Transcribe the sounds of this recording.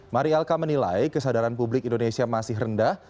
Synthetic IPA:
maɾialkamənilajkəsadaɾanpublɪkindonesiamasɪɦrəndah

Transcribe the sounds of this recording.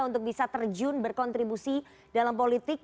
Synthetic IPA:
unt̪ʊk̚bisat̪ərd͡ʒʊnbərkɔnt̪ɾibusi | dalampolit̪ɪk̚

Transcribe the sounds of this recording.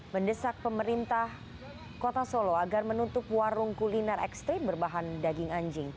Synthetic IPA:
məndəsak̚pəməɾint̪ah | kot̪asoloaɡarmənut̪ʊpwaɾʊŋkulinɛrɛ̰kst̪ɾimbərbaɦandaɡɪŋaɲd͡ʒɪŋ

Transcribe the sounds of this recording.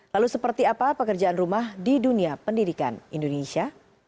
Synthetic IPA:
lalusəpərt̪iapapəkərd͡ʒaanrumahdiduniapəndidika̰nindonesia

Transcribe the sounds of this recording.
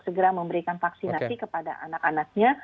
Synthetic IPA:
səɡəɾaməmbəɾikanfaksinasikəpada̰ʔa̰nakanak̚ɲa

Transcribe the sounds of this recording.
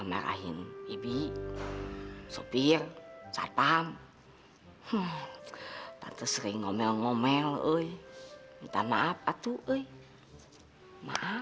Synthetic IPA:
amɛ̰ɾa̰ɦinibi | sopirsa̰p̪am | h | t̪a̰nt̪əsɾiiŋɔmɛlŋɔmɛləi | t̪amaap̚at̪uʔəi | ma̰ʔa

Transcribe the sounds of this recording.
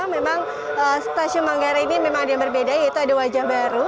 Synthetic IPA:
memaŋ | əst̪asʊnmaŋɡaɾainimemaŋadajaŋbərbedajait̪uadawad͡ʒahbaɾu

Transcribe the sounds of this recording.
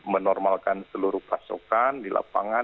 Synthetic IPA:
mənɔrmalkansəluɾuhpasṵkandilʔa̰paŋa

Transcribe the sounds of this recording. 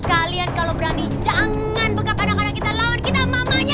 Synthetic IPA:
kaliankalowbəɾanid͡ʒaŋ | anbəkapadamaɾakit̪alawankit̪amamaɲa

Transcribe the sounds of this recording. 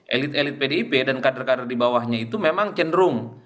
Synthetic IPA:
ʔḛlɪt̪elɪt̪̚pedeipedankadərkadərdibawahɲait̪umemaŋt͡ʃəndɾʊŋ

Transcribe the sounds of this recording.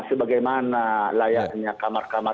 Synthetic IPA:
səbaɡajmanalajaʔɲakamarkama

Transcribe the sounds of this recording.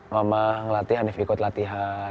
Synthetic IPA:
mamahŋlat̪iɦanɪfikʊt̪lat̪iɦa

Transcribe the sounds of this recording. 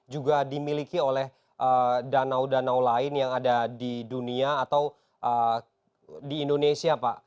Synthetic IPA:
d͡ʒuɡadimilikiolɛh | ʔədanawdanawlaɪnjaŋadadiduniaːt̪aw | ʔə | diːndonesiapaʔ

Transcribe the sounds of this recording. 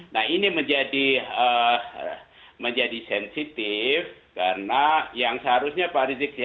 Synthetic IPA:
nahiniməɲd͡ʒadiə | məɲd͡ʒadisɛnsit̪ɪfkaɾənajaŋsəɦaɾusɲapaɾizɪk̚s

